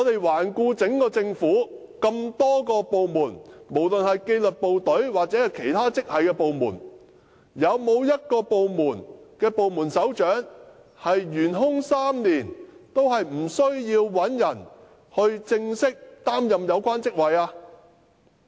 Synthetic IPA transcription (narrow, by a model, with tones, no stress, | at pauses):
ŋɔː˨˧t̪e˨jwaː˨˩nkuː˧t͡sɪ˨˥ŋkɔː˧t͡sɪ˧ŋfuː˨˥kɐ˧mt̪ɔː˥kɔː˧po˨wmuː˨˩nmo˨˩wlɵ˨nhɐ˨jke˧jlɵ˨t̚po˨wt̪ɵ˨˥ɥwaː˨k̚t͡sɛ˨˥hɐ˨jkʰe˨˩jt̪ʰaː˥t͡sɪ˥k̚hɐ˨jkɛː˧po˨wmuː˨˩n | jɐ˨˧wmo˨˧wjɐ˥t̚kɔː˧po˨˧wmuː˨˩nkɛː˧po˨wmuː˨˩nsɐ˨˥wt͡ʃœː˨˥ŋ | hɐ˨jːyː˨˩nɦʊ˥ŋsaː˥mniː˨˩nt̪o˥wɦɐ˨jm̩˨˩sɵ˥ɥjiː˧wwɐ˨˥njɐ˨˩n | hɵ˧ɥt͡sɪ˧ŋsɪ˥k̚t̪aː˥mjɐ˨mjɐ˨˧wkʷaː˥nt͡sɪ˥k̚wɐ˨jaː˧